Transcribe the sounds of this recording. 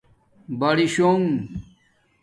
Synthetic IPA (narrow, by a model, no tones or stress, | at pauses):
bɐɽiɕoŋ